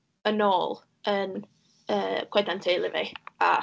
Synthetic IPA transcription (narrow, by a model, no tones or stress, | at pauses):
ənoːlˠ | ən | əːkʰwɛdantʰeːlˠɪvḛa̰